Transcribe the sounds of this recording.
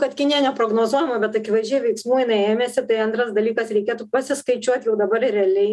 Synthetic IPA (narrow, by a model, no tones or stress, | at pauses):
kɐt̪kʲɪnʲijɛnʲɛpɾoːɡnoːzuɔjɛmɐbʲɛt̪ɐkʲɪʋɐʒʲuːjɛʋʲɛɪksmuːɪnɐɪeːmʲeːsʲɪt̪ɐɪɐnt̪ɾɐsd̪ɐlʲiːkɐsɾʲɛɪkʲeːt̪upɐsʲɪskɐɪt͡ʃʲuɔt̪ʲjɛʊd̪ɐbɐrrʲɛɐlʲɛɪ